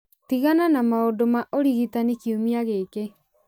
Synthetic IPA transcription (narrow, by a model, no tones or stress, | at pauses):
tiɣananamaodomaʔoɾiɣitanekiumiaɣeke